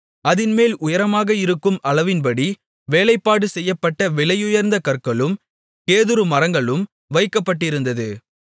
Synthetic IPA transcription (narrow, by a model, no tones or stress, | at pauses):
ɐðɪnmeːlʔʊjɐɾɐmaːɣɐɪɾɯkːɯmʔɐɭɐʋɪnpɐɽi | ʋeːlɐɪpːaːɽɯsɛjːɐpːɐʈːɐʋɪɭɐjʊjɐɾnd̪ɐkɐɾkɐɭɯm | keːðɯɾɯmɐɾɐŋɡɐɭɯm | ʋɐɪkːɐpːɐʈːɪɾɯnd̪ɐðɯ